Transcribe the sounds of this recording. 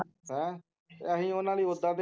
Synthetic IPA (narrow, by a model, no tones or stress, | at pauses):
ɛ̰̃ː | əɦĩːoːnãːliːʊd̪aːd̪e